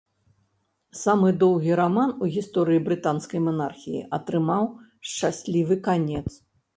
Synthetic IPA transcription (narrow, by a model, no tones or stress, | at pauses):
samɨd̪ɔwɣʲiɾamanuɣʲist̪ɔɾɨibɾɨt̪anskɐjmɐna̰rxʲḭjḭʔɐt̪ɾɨmaw | ʂt͡ʂasʲlʲivɨkanʲɛt̪s